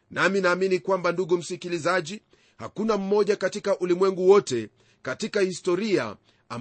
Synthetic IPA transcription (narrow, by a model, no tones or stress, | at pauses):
naminaːminikwambanduɡum̩sikilizaʄi | ha̰kunam̩mɔʄakatikaʔulimwɛŋɡuwɔtɛ | katikahistɔɾia̰ | am